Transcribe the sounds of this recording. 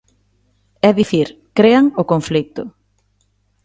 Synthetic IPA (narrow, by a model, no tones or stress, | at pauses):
ɛðiθiɾ | kɾeaŋokõɱflik̚t̪ʊ